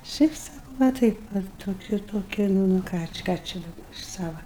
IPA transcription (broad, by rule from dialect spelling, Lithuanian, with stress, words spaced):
ˈʃʲɛɪp ˈsɑːkɐʊ ʋɐ ˈtɐɪp ʋɐ toːˈkʲʊ toːˈkʲɪ ˈnʊ ˈnʊ ˈkɑː t͡ʃʲɪ ˈkɑː t͡ʃʲɛ dɐˈbɐ ɪʃ ˈsɑːʋɐ